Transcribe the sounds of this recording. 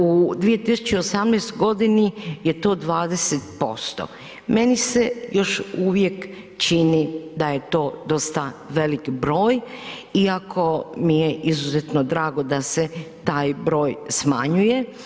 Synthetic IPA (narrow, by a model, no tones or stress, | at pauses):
ud̪ʋije̞t̪isu̥t͡ɕeosamneːst̪oɡo̞d̪inije̞t̪o̞ːd̪ʋaːd̪eset̪po̞̰st̪o̰ | me̞nisejo̞ʃuʋje̞k | t͡ʃinid̪aje̞t̪o̞ːd̪o̞st̪aʋe̞likbɾo̞ːjiakʰo̞mijeʔizuzet̪nod̪ɾaːɡo̞d̪ase̞t̪aːjbɾo̞ːjsmaɲuje